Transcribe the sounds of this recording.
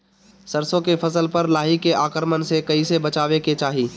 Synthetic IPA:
səɾsõkefʰɐsəlpɐɾlaːɦikeʔaːkəɾmənsekɐisebɐt͡ʃaːʋeket͡ʃaːɦiː

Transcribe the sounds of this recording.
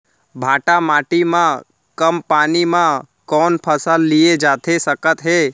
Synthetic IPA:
bʱaːʈamaːʈimã | kəmpaːnimã | kɔːnpʰəsəlːijed͡ʒaːt̪ʰesəkət̪ɦeː

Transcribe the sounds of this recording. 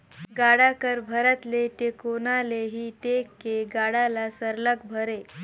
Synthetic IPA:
ɡaɽakəɾbʱəɾat̪let̪ekonaleɦiːʈ̪ekːeɡaɽalasəɾləkbʱəɾe

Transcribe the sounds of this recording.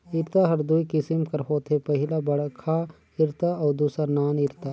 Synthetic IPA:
ɪɾt̪aɦɐɾd̪uikɪsɪmkəɾɦoːt̪ʰepɐɦɪlabɐɽkʰa | ɪɾt̪aɔːɾd̪uːsanaːnɪɾt̪aː

